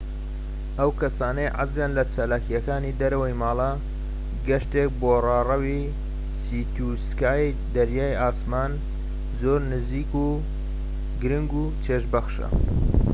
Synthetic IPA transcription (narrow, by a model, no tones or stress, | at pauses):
ʔɐwkɐsaːnɐjʕa̰zjaːnlɐt͡ʃalaːkijɐkaːnid̪ɐɾɐwɐjmaːlˠɐ | ɡɐʃt̪ek̚borɑːrɐwi | siːt̪ʰuskaːj | d̪ɐɾjaːjaːsmaːn | zoːɾnɨziːku | ɡɨɾɨŋɡu | t͡ʃʰeʃbɐxʃɐ̰